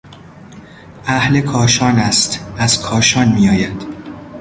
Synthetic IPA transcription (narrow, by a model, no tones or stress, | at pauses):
ʔæhle̞kʰɒːʃɒːnæst̪æz̥kʰɒːʃɒːnmijɒːjæd̪̥